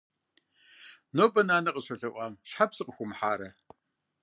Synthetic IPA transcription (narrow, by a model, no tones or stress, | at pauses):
noːpʼɐnaːnɐqʼəɕɐɮɐɨʔʷɑːmʃħapsɨqʼxʷʊmħaːɾɐ